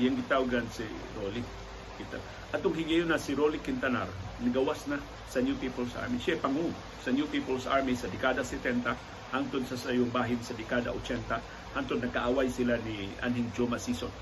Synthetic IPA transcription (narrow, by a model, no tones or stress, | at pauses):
jaŋɡɪt̪awɡansi | ɾoli | kint̪a | ʔɐt̪ʊŋhɪŋajonɐsɪɾolikɪnt̪ɐna̰ɾnɐɡɐwasna | sɐnjupipɐlsʔa̰ɹmiʃajpɐŋu | sɐnjupipɐlsʔaɹmisɐd̪ɛkaːd̪ɐsɛt̪ɛnt̪a | hant̪onsɐsɐjʊŋbaːɦɪnsɐd̪ɛkaːd̪a̰ʔot͡ʃɛnt̪a | hant̪onnːɐkaʔawajsɪlaniʔa̰nɦɪŋd͡ʒomasison